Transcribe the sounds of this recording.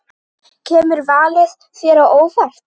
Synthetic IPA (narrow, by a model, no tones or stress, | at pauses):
cʰɛːmʏɾvaːlɪð̥ | θjɛɾaoːwfar̥t̪